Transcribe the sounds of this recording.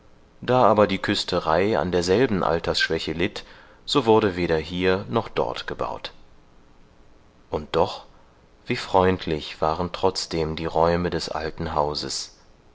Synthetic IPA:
d̥aːʔaːbɐdiːkʰʏstʰəʁaɪa̰ndeːɐzɛlbn̩ʔa̰ltʰɐsʃv̥ɛçəlɪt | z̥oːvʊɐɾəveːɾɐɦiːɐnɔχd̥ɔ̰ɐtɡ̥əba̰ʊt | ʔʊnt̚d̥ɔχ | v̥iːfʁ̥ɔʏntʰlɪçv̥aːʁəntʁ̥ɔt͡sd̥eːmdiːʁɔʏmədɛsʔa̰ltn̩ɦaʊzə̰s

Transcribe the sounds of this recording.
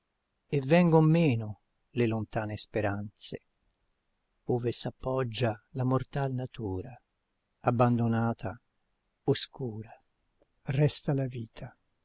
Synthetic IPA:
evːɛŋɡommɛːnʊ | lelont̪aːnespeɾant̪se | oːvesapːɔd͡ʒːalamort̪alnat̪uːɾa | abːand̪onaːt̪ʰa | oskuːɾa | rɛst̪alaviːt̪ʰa

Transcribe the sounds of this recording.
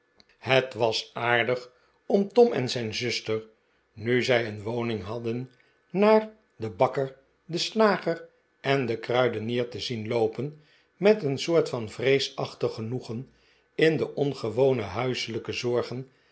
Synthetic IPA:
hətʋɑsaːɹdəχ | ɔmtɔmɛ̰nzɛjnzʏstəɹ | nyzɛjənʋownɪŋɦɑdənː | aːɹ | dəbɑkəɹ | dəslaːχər | ʔɛndəkrœɥdəniːɹtəzinlowpən | mɛtənsʊːɹtfɑnvrejsɑχtəχənuχən | ɪndəʔɔnχəʋownəɦœɥsələkəzɔɹχən

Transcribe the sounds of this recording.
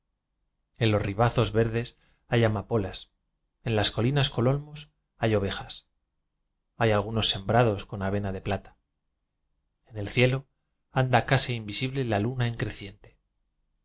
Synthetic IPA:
e̞nlo̞zriβ̞aθo̞zβe̞ɾð̞e̞s | ajamapo̞las | e̞nlasko̞linasko̞lo̞lmo̞s | ajo̞β̞e̞xas | ajalɣ̞uno̞sːe̞mbɾað̞o̞sko̞naβ̞e̞naðe̞plat̪ḁ | ene̞lθje̞lo̞ | and̪akaseimbisiβle̞lalunaiŋkɾe̞θje̞nt̪e̥

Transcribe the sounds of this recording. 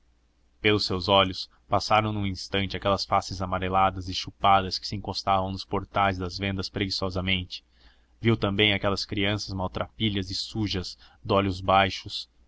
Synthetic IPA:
pelʊsewzɔʎʊs | pasaɾɐ̃w̃nũĩst̪ɐ̃nt͡ʃɪakɛlɐsfasɪzamaɾelad̪ɐzɪʃupad̪ɐskɪ̥sɪĩŋkost̪avɐ̃w̃nʊspoɾt̪ajzd̪ɐzvẽnd̪ɐspɾeɡisɔzɐmẽnt͡ʃɪ̥ | viwt̪ɐ̃mbẽj̃akɛlɐskɾiɐ̃sɐzmawt̪ɾʔapiʎɐzɪsuʒɐz | d̪ɔʎʊzbajʃʊs

